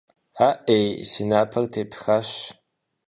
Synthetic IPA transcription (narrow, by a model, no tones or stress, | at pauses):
aːʔejsinaːpʰɐrtʰeːpʰxaɕ